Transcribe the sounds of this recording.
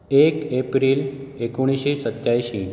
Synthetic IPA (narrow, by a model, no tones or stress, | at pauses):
ekepɾiːl | ekoɽ̃iɕisət̪jajɕi